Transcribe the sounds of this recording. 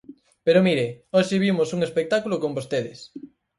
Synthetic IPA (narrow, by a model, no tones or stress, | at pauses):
peɾomiɾeoʃeβimosuŋespek̚t̪akulokombost̪eðɪs